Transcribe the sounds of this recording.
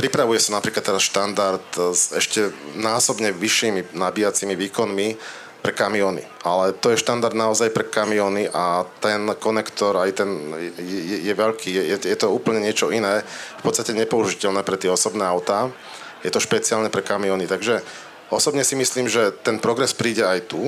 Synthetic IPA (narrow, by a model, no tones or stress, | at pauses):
pɾipɾaʋujɛsanapɾiːklat̪ːɛɾasʃt̪and̪aɾt̪zɛʃcɛnaːsɔbɲɛʋiʃːiːminabijat͡simiʋiːkɔnmi | pɾɛkamiɔːnḭʔalɛt̪ɔjɛʃt̪and̪aɾd̪naɔzajpɾɛkamiɔːniʔat̪ɛnkɔnɛkt̪ɔɾajt̪ɛnɛjɛjɛjɛʋɛʎkʰiːjɛjɛjɛt̪ɔuːpəl̩ɲɛɲɪɛt͡ʃɔinɛːfpɔt̪t͡sst̪acɛɲɛpɔuʒicɛlnɛːpɾɛt̪ɪɛɔsɔbnɛːaʊt̪aː | jɛt̪ɔʃpɛt͡siaːlɲɛpɾɛkamiɔːnit̪aɡʒɛ | ɔsɔbɲɛsimisliːmʒɛt̪ɛnpɾɔɡɾɛspɾiːɟɛajt̪u